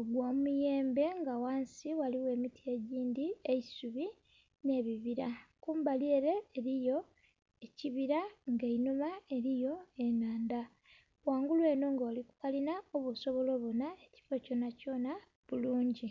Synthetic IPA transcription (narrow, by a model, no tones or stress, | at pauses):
oɡwaːmumuje̞ːmbe̞ŋɡawaːnsiwaliwe̞ːmitie̞ɟiːndieisuβi | ne̞ːβiβiɾakuːmbalieɾe̞ːɾijo̞ | eciβiɾaŋɡeinomae̞ɾijo̞enaːnda | waːŋɡulwe̞ːnoːŋɡoːliku̥kalinaoβuso̞βo̞lo̞ːβonae̞ci̥foco̞naco̞ːna | βuluːɲɟi